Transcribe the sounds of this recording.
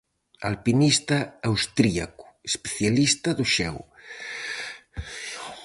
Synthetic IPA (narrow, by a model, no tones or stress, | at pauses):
alpinist̪ɐawst̪ɾia̰ku̥espeθjalist̪ɐðʊʃɛw